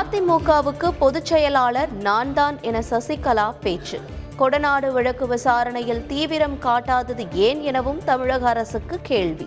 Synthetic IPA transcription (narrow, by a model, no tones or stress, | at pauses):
aːt̪ɪmuːkaːʋɯkːɯpɔðɯt͡ʃːɛjɐlaːlɐɾnaːnd̪aːnɛnɐsɐsɪkːɐlaːpeːt͡ʃːɯ | kɔɽɐnaːɽɯʋɪɻɐkːɯʋɪsaːɾɐɳɐjɪlt̪iːʋɪɾɐmkaːʈːaːðɐðɯeːnɛnɐʋɯmt̪ɐmɪɻɐɣɐɐɾɐsɯkːɯkeːɭʋḭ